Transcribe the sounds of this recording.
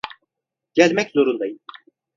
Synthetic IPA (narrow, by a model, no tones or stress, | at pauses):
ɟ̥ælʲmɛczo̞ɾund̪ajɯn